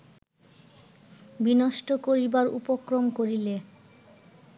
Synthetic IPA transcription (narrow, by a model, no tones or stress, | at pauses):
binoʃʈokoɾibaɾṵpokɾomkoɾile